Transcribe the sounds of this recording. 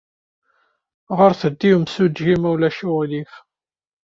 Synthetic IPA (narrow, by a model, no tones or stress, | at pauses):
ʁəɾθəd̪ːiwmsudʒimæwlæʃulif